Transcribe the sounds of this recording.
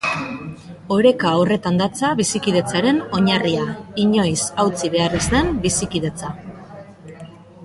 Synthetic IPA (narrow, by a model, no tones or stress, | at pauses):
o̞ɾe̞kaːwre̞t̪and̪at͡saβisikið̞e̞t͡saɾe̞no̞ɲariaiɲo̞jsawt͡siβ̞e̞arezd̪e̞mbisikið̞e̞t͡sa